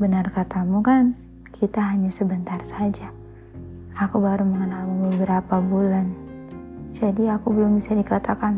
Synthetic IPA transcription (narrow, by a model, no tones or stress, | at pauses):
bənarkat̪amukan | kʰit̪aɦaɲasəbənt̪arsad͡ʒaː | kubaɾuməŋənalmubəbəɾapabulan | d͡ʒadiakubəlʊmbisadikat̪akan